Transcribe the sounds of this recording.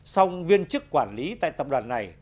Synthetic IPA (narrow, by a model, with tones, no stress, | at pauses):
sa˧wvi˧ənt͡ɕɨ˦˥kkwaː˧˩nli˨˦t̪a̰ː˧˨jt̪ə˨˩p̚ɗwaː˨˩nːa˨˩j